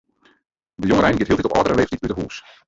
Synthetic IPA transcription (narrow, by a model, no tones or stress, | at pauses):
dəjɔŋərɛjnɡɪtɦiːlˠtɛtɔpɔ̰dərəleːftitydəɦuːs